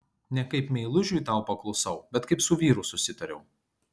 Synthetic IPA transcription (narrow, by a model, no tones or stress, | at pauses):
nʲɛkɐɪpmʲɛɪlˠʊʒʲujt̪ɑˑʊpɐklˠʊsɐʊbʲɛt̪kɐɪpsʊʋʲiːɾʊsʊsʲɪt̪ɐɾʲɛʊ